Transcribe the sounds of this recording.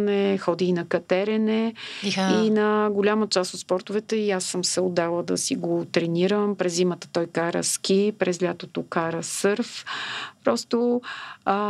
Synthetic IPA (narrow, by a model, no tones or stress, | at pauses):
nɛxɔd̪iːnɐkɐt̪ɛɾɛnɛ | inɐɡʊlʲamət͡ʃast̪ot̪spɔɾt̪ʊvɛt̪ɛiasːəmsɛʊd̪alˠəd̪ɐsiɡot̪ɾɛniɾəmpɾɛzːimət̪ə̥t̪ɔjkaɾə̰sk̟ʲipɾɛzlʲat̪ot̪okaɾəsɤɾfpɾɔst̪o